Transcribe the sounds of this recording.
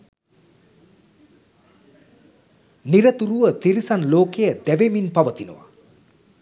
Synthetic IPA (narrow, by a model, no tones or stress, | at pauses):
niɾət̪uɾuʋət̪iɾisanloːkejəd̪æʋeminpaʋət̪inṵʋa̰